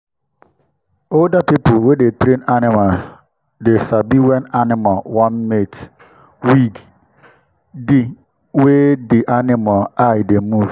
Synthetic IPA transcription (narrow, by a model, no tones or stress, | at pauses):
oldapipʊwedetɾenanɪmas | desabiwɛnanɪmalwãnmet | wiɡ | di | wediʔanɪmaajdemuv̥